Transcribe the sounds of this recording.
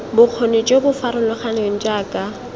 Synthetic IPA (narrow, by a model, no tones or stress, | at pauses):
bʊq͡χʰonet͡ʃʼebʊfaɾʊlʊχanɪwɪn̩t͡ʃʼaːkʼa